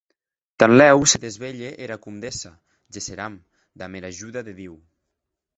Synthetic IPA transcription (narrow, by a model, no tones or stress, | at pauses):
t̪anlɛwseðezβeʎeʔeɾakumd̪esa | ʒeseɾam | d̪ameɾaʒuðaðeðiw